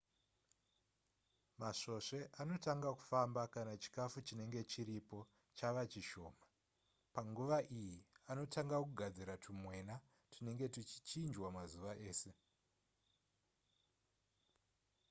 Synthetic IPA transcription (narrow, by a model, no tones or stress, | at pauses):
maʂo̞ʂe̞ʔano̞taŋɡaku̥fambakanat͡ʃi̥kafut͡ʃine̞ŋɡe̞t͡ʃiɾipo̞ | t͡ʃaʋat͡ʃiʃo̞ːma | paŋɡuʋaʔijiano̞taŋɡakuɡʱad͡ziɾatʰumwe̞na | tʰine̞ŋɡe̞tit͡ʃi̥t͡ʃind͡ʒwamazuʋaʔe̞ːse̞